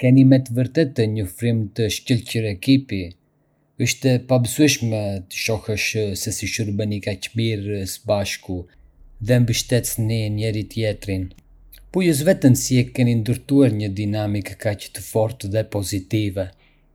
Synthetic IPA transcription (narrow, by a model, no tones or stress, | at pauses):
kɛnimɛt̪əvəɾt̪ɛt̪ːəɲɔfɾimt̪əʃcəlcəɾɛkipi | əʃt̪ɛpabəsuɛʃmɛt̪ə̥ʃɔhəʃsɛsiʃuɾbənikacmiɾsbaʃku | ðɛmbəʃt̪ɛt̪ninɛɾit̪jɛt̪ɾin | pujəs̬vɛt̪ənsiɛkɛnind̪əɾt̪uaɾɲəd̪inamikːacə̥t̪əfɔɾt̪ðɛpɔzit̪ivɛ